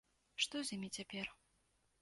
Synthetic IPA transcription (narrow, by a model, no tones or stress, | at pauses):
ʂt̪ɔzʲamʲit͡sʲapʲɛr